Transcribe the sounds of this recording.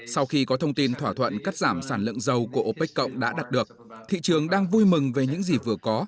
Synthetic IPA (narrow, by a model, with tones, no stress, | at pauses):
sa˧wxi˧kɔ˨˦t̪ʰə˧wŋ͡mt̪i˧nt̪ʰwaː˧˩t̪ʰwə̰˧˨nkaː˦˥t̚zaː˧˩msaː˧˩nlɨ̰˧˨əŋzə˧˩wku˧˩əʔo˧pe˦˥k̟̚kə̰˧˨wŋ͡mɗa̰ː˧˥ɗaː˨˩t̚ɗɨ˨˩ək̚t̪ʰḭ˧˨t͡ɕɨ˨˩əŋɗaː˧ŋvu˧jmɨ˨˩ŋve˨˩ɲɨ̰˧˥ŋzi˨˩vɨ˨˩əkɔ˨˦